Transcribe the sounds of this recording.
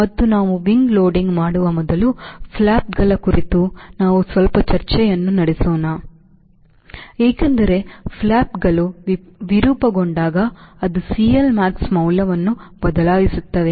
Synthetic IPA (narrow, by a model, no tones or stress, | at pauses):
mɐt̪ːunaːʋuʋiŋɡlo̞ːɖiŋɡmaːɽuʋɐmɔd̪ɐlupʰlaːpɡɐɭɐkuɾit̪unaːʋusʋɐlpɐt͡ʃɐɾt͡ʃɛjɐnːunɐɽesoːnaː | eːkɐnd̪ɐɾe̞pʰlaːpɡɐluʋiɾuːpɐɡoɳɖaːɡɐːd̪usiːjɐlmaːksmɐwlɐʋɐnːubɐd̪ɐlaːjisut̪ːɐʋe̞